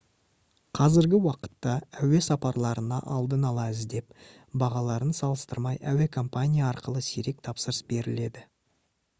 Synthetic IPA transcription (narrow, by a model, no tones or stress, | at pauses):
qʰɑzɪɾɡʲɪwɑqə̥t̪ːɑæwe̞sɑpɑɾlˠɑɾənɑ̰ʔɑlˠd̪ənɑlˠɑəzd̪e̞p | bɑʁɑlˠɑɾənsɑlˠəst̪əɾmɑjæwe̞kʰo̞mpanʲijaːɾqəlˠəseɾe̞k̚t̪ʰɑpsəɾəsbe̞ɾɪle̞d̪ɪ